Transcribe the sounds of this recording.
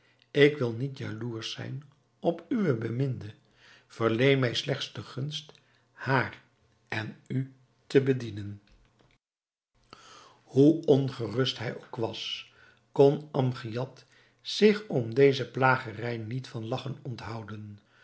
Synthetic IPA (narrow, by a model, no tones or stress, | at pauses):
ɪkʋɪlˠnitja̰luːɹsɛ̰jn | ɔpyʋəbəmɪndə | v̥əɹlejmɛjslɛχtsdəχɵnst | haːr | ʔɛny | təbədinən | huɔnχərɵstɦɛjowkʋɑs | kɔnɑmχijɑt | sɪχɔmdejzəplaːχərɛjnitfɑnlɑχənɔntɦɑwdən